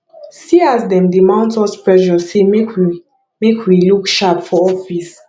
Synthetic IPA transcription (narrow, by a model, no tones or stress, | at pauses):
siasdɛ̃mdimãʊ̃ntɔspɹɛʒɔsemek | mekwilukʃapfɔɔfis